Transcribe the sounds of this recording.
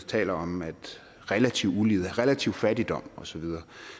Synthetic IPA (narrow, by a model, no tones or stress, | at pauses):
t͡sʰɛ̰ːlɐɒ̽mæd̥ | ʁɛlæt͡sʰiʊuliːð̩ˠæʁelæt͡sʰiʊ̰̥fædid̥ɒ̽m̰ɒ̽sɒ̽ʋið̞ˠɐː